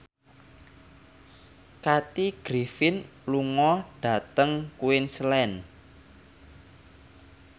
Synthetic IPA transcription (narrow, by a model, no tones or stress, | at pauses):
kat̪iɡ̥ɾifɪnluŋɔɖ̥a̤t̪əŋkuɪnslɛn